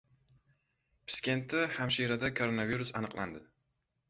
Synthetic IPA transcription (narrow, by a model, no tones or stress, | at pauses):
pʰɪ̥skʲe̞nt̪ːɪhamʃiɾad̪akʰoɾo̞naviɾusanɨqlˠʔa̰nd̪ɪ